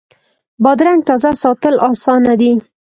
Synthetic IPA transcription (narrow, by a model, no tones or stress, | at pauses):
bɑd̪ɾaŋɡ̚t̪ɑzasɑt̪əlɑsɑnad̪i